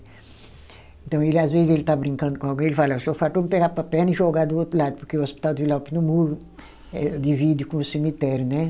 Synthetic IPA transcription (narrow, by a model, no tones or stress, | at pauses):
ẽnt̪ɐ̃w̃elazvezɪzelɪt̪abɾĩŋkɐ̃nd̪ʊkõawɡẽelɪfalɐewsofat̪õmɪpeɡapɐpɛnɐiʒoɡad̪ʊot̪ɾulad̪ʊpoɾkeuospi̥t̪awd̪ivilawpinũmuɾu | ɛd̪ivid̪jukõʊsimit̪ɛɾjʊnɛ